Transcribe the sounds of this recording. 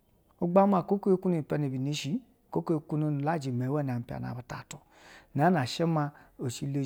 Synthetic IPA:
u˧ɡ͡ba˦ma˧˨ko˦ke˦˧˦ku˦no˧˨pɛ˧ne˨bi˨ne˨˧ʃi˨˦˨ | ko˦ko˦e˧ku˦no˧n˨la˦˨d͡ʒi˨mɛ˨wɛ˦˨n˨a˨m̩˨˦pi˧a̰˨na̰˨ba˧ta˨tɔ˨ | n˨a˨˦na˨ʃɛ˦ma˧o˨ʃi˧˦le˧

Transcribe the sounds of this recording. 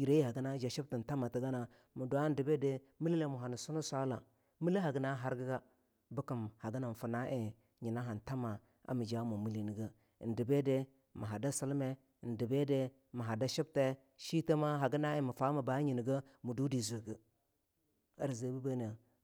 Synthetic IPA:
i˨ɾe˦i˦ha˨ɡə˦na˦d͡ʒa˨ʃi˦b̚ti˨n̩˨ta˦ma˨ti˨ɡa˦na˨ | mu˨du˨a˦n˦di˨be˦de˦ | mi˦li˦le˦mu˨ɦa˨ni˨su˦nu˦sʷa˦la˨ | mi˦li˦ɦa˨ɡə˦na˦ɦa˦ɾɡə˦ɡa˦ | bə˦ki˨mha˨ɡə˦na˨n˨fu˨na˦ʔe˨ | ɲi˨na˦ɦa˨n˨ta˦ma˨ | a̰˨mi˨d͡ʒa˦mu˨mi˦li˨ni˨ɡə˦˨ | n̩˨di˨be˦de˦ | mi˨ɦa˨da˦sa˦lme˦˨ | n̩˨di˨be˦de˦ | mi˨ɦa˨da˦ʃi˦b̚te˦ | ʃi˦te˦ma˦ɦa˨ɡə˦na˦i˨mu˨fa˦ma˨ba˨˦ɲi˨ni˨ɡə˦mu˨du˦di˨zu˨ɡə˨ | a˦ɾze˨˦bu˦be˦ne˨

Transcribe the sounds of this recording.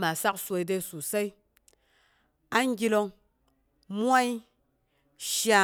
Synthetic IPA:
ma˨sa˦ksʷo˧i˧˦de˦su˨sa˦i˦ | a˦ŋ˦ɡʲi˦lo˧ŋ | mʷ˦a˦i˦ | ʃja˧

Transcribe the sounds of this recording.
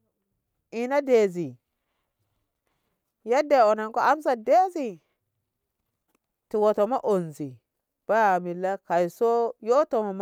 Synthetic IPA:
i˨na˦de˨zi˨ | ja˦de˨o˨na˨ŋko˦a˦mza˨de˦zi˦˨ | ti˨wo˨to˨ma˦ʔo˨nzi˨ | b̥a˦ja˨mi˨lːa˦ka˨jso˦jo˦to˨ma˨m˦

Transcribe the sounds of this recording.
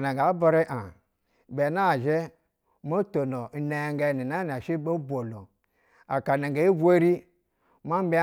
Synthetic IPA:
na˨ɡa˨˦ba˦ɾe˦ʔa˨ | be˨na˦˨ʒe˦ | mo˦to˨no˨ne˨ŋɡe˨ni˨na˦n˨a˨ʃi˦bo˦bʷo˨lo˨ | a˨ka˨na˨ŋɡe˨i˦ɡʷe˦ɾi˦ | ma˦m˦bi˦

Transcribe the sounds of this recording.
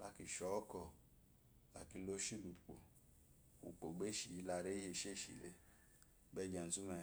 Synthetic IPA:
la˧ki˨ʃɔ˨˦kɔ˦˨ | la̰˨ki˧lo˦ʃi˦lu˨k͡po̰˨ | ṵ˨k͡po˨ɡ͡be˦ʃi˨i˨˦la˧ɾe˦je˧˨ʃe˦˨ʃḭ˨le˧˦ | bɛ˧˦d͡ʒa˨n̩˨tu˦mɛ˧

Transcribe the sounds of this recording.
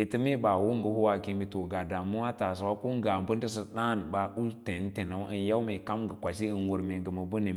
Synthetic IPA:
e˨tə˦me˦ba˨wo˦ŋɡə˨hu˦wa˨ki˦mbi˦to˨ɡa˨da˨mu˦wa˦ta˨s̬a˨wa˦ko˦ŋ˦ɡa˨bə˦ndə˦s̬ə˦˨ɗa˦˨n˨ba˨u˦lte˨˦n˦te˨na˨˦wə˦nja˦me˨ka˦mɡə˨kʷa˨si˦ə˨nwu˨ɾme˨ŋɡə˨mə˨bə˦nə˨

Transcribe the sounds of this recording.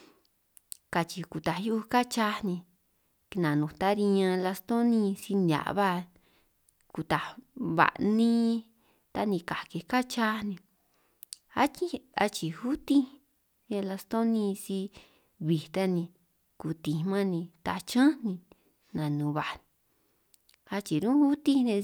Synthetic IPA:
ka˧t͡ʃi˧ku˨t̪a˨ju˦˧ka˦t͡ʃa˦nĩ˧ | nã˨nũ˨t̪a˦ɾi˧ɲã˧la˧st̪õ˦nĩ˦˧si˧nda̰˨ʔβa˦ | ku˧t̪a˨βa̰˨ʔnĩ˦ | t̪a˦nĩ˧ka˨ke˧ka˦t͡ʃa˦nĩ˧ | a˦t͡ʃi˦a˧t͡ʃi˨hu˦t̪ĩ˦˧ | la˧st̪õ˦nĩ˧si˧ | βi˨t̪a˦nĩ˧ | ku˧t̪ĩ˨˧mã˦nĩ˧t̪a˧t͡ʃã˦nĩ˧ | nã˨nũ˨˧βa˨ʔn˧ | a˧t͡ʃi˨ɾũ˦hu˦t̪i˦nẽ˧

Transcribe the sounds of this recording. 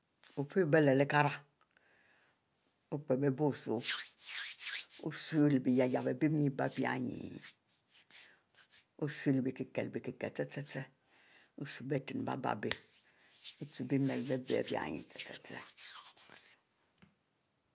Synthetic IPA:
u˨fe˦be˦le˨le˦ka˦ɾa˦ | u˦k͡pe˨be˦bo˦˨su˨ | ṵ˦su˦lbi˨ja˨ja˨be˨bi˦m˦ɲi˦ba̰˦˨bja̰˦˨ɲḭ˨ | u˦su˦lbi˨ki˨ke˨lbi˨ki˨ke˨t͡se˦t͡se˦t͡se˦ | u˦su˦be˦ti˨nba̰˦ba̰˨be˦˨ | u˦tu˨bi˦me˨lbe˦bḛ˦˨bja̰˦˨ɲḭ˨te̥˨tḛ˨t͡sḛ˦

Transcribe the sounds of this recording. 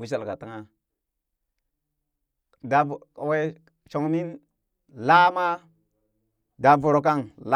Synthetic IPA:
wi˦ʃ̬a˨lka˨ta˦ŋa˦ | da˨we˦ | ʃo˨ŋni˦n | la˦ma˦ | da˨vu˨ɾo˨k̬a˦ŋla˦

